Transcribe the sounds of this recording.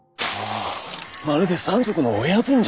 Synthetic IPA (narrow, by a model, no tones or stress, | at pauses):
maɾed̪esɨãnzokɯ̟noojabɯ̟̃ɲ̟d͡ʑ